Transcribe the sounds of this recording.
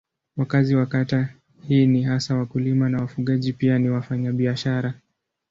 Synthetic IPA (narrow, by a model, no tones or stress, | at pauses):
wakaziwakata | hiːniɦasawakulimanawafuɠaʄipianiwafaɲaɓiaʃaɾa